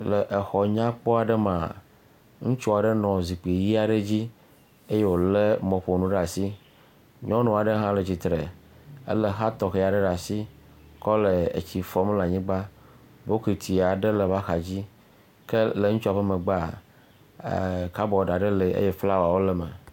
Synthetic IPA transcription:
le˨ʔe˨xɔ˨ɲã˦k͡pɔ˦a˨ɖe˦mã˨ | ŋũ˦t͡ʃɔ˦a˨ɖe˦nɔ̃˨zi˨k͡pi˨ji˦a˨ɖe˦d͡ʑi˦ | e˦je˦wo˨le˦mɔ̃˨ɸo˨nũ˦ɖa˨si˦ | ɲɔ̃˦nɔ̃˨a˨ɖe˦ɦã˦le˨d͡ʑi˨t̪ɾe˨ | ḛ˦le˦ɦa˦t̪ɔ˨xe˨ja˨ɖe˦ɖa˨si˦ | kɔ˦le˨ḛ˨t͡ɕi˨fɔ˦m˦la˨ɲĩ˦ɡ͡ba˦ | bo˦ki˨t̪ʰi˨a˨ɖe˦le˨va˦xa˨d͡ʑi˦ | ke˦le˨ŋũ˦t͡ʃu˦a˨ɸə˦mẽ˨ɡ͡ba˦˨ | ka˦bɔ˨ɖa˨ɖe˦le˨ḛ˦je˦fla˦wa˨wo˦lɛ˦mɛ̰̃˨

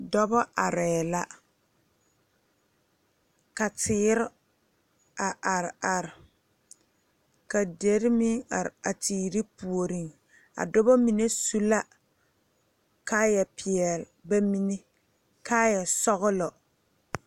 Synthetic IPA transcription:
dɔ˦bɔ˦ʔa˨ɾɛː˨la˦ | ka˨tɪː˨˦ɾɪ˦ | a˨ʔa˨ɾa˨ɾɪ˨ | ka˨de˨˦ɾɪ˦mɪ˦ŋa˨ɾa˨tiː˨ɾi˦pu˨o˨ɾi˦˨ŋ | a̰˨dɔ˦bɔ˦mi˨ne˦su˦la˦ | kaː˦jɛ˨pʰɪ˨ɛ˨lba˦mi˦ne˦ | kaː˦jɛ˨sɔ˦ɣʊ˦lɔ˨

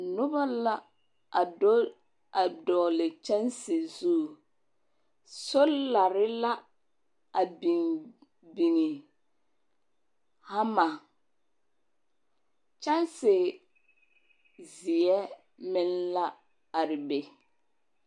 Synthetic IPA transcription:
nʊ˦ba˦la˦ | a˨do˦ | a˨dɔː˨lɪ˨t͡ʃa˦nsɪ˨zu˦˨ | sʊ˦lla˨ɾɪ˦la˦ | a˨bi˨ŋ | bi˨ŋi˨ | ha˦ma˨ | t͡ʃa˦nsɪ˨ | zɪ˨ɛ˦ | mɪ˦nla˦ | a˨ɾɪ˨be˨

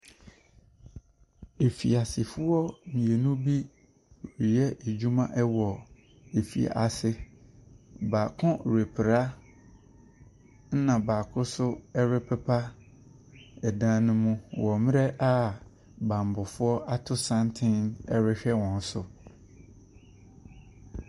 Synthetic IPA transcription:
e˨fḭ˨a˨sɪ˨fʊ˦ɔ˦mĩ˨e˨nũ˦bi˦˨ | ɾi˨ɛ˦ʔe˨d͡ʑu˦mã˦ʔɛ˦wɔ˨ | e˨fḭ˨a̰˨ʔa˨sɪ˦ | baː˨kʰɔ̃˦˨ɾe˨pʰɪ˨ɾa˦ | n̩˦nã˨baː˨kʰʊ˦sʊ˦ɛ˦ɾɪ˦pʰɛ˦pʰa˦ | ɛ˨dã˦nʊ̃˦mũ˦wɔ˨mɪ̃˦ɾɛ˦ʔa˦ | bã˨m˨bʊ˨fʊ˦ɔ˦a˦tʰʊ˦sã˦ntʰɪ̃˦nɛ˦ɾɪ˦ɕᶣɛ˦wɔ̃˨n˦sʊ˨

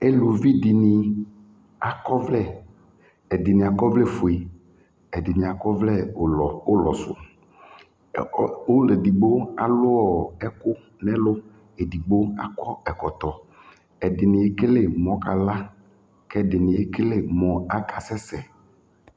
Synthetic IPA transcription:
e˦lu˨vi˦di˨nĩ˨ | a˨kɔ˦vlɛ˦˨ | ɛ˨dɪ˨nɪ̃˨a˨kɔ˦vlɛ˦˨fo˨e˨ | ɛ˨dɪ˨nĩ˨a˨kɔ˦vlɛ˦˨o˦lɔ˨sʊ̰˨˦ | o˦le˨di˨ɡ͡bo˦a̰˨lʊ˦ɔ˨ɛ˦kʊ˦ | nɛ̃˦lʊ˦ | e˨di˨ɡ͡bo˦a̰˦kɔ˦ɛ˨kɔ˨t̪ɔ˨ | ɛ˨dɪ˨nɪ̃˨e˦ke˦le˦˨mɔ̃˨ka˨la˦ | kɛ˦dɪ˨nɪ̃˨e˦ke˦le˦mɔ̃˨a˦kʰa˨sɛ˦sɛ˨

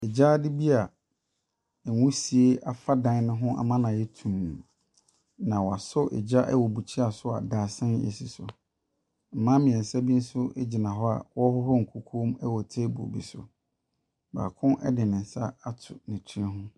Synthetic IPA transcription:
ɛ˨d͡ʑa˦dɪ˦bi˦a˨ | wʊ̃˦si˨e˦ʔa˨fa˦dã˦n˦nɪ̃˦ɦʊ̃˦ʔa̰˨mã˦nã˨jɛ˦tʰũ˨m | nã˨wɔ˨a˨sʊ˦ʔɛ̰˨d͡ʑa˦ʔɛ̰˦wɔ˨bu˨t͡ɕʰi˦a˨sʊ˦a̰˨daː˨sɛ̃˦nḛ˨si˨sʊ̰˨ | m̩˨mã˦mɪ̃˨ɛ̃˨n̩˨sa˦bi˦n̩˦sʊ˦ɛ˦d͡ʑi˨nã˨ɦɔ˦a̰˨wɔ˦hɔ˦hɔ˦ŋ̩˨kʰu˦kʰu˦mɛ˦wɔ˨tʰe˦bṵ˨bḭ˨sʊ̰˨ | ba̰ː˨kʰʊ̃˦ʔɛ̰˦dɪ˨nɪ̃˨n̩˨sa˦a˦tʰʊ̰˨nɪ̃˨tʰi˦ɦʊ̃˦

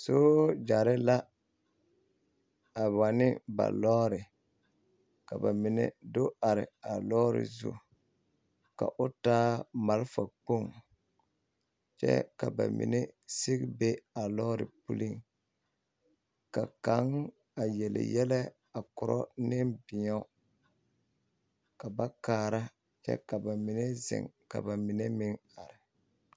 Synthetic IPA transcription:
so˦d͡ʒa˨ɾɪ˦la˦ | a˨wa˨nɪ˦ba̰˨lɔː˦ɾɪ˨ | ka˨ba˨mɪ˨nɛ̰˨do˦a˨ɾɪ̰˨a˨lɔː˦ɾɪ̰˨zṵ˦ | ka̰˨ʔʊ˦taː˦ma˨lfa˨k͡po˦˨ŋ | t͡ʃɛ̰˦ka˨ba̰˨mɪ̰˨nɛ˦sɪ˦kbe˦a˨lɔː˦ɾɪ̰˨pu˦li˦ŋ | ka˨ka˨˦ŋ | a˨jɛ˨lɪ̰˨jɛ˦lɛ˦ | a˨kʊ˨ɾɔ̰˦nɪ˦mbɪ˨ɲa˦ | ka˨ba˦kaː˦ɾa˦ | t͡ʃɛ̰˦ka˨ba˨mɪ˨ne˦zɪ̰˨ŋka̰˨ba˨mɪ˨ne˦mɪ˦ŋa˨ɾɪ˨

